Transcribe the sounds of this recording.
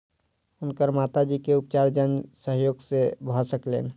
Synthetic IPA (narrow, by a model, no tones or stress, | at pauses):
ʊnkəɾmat̪ad͡ʒikeʊp̚t͡ʃaɾd͡ʒənsəɦjoːɡsebʱəsəklḛːn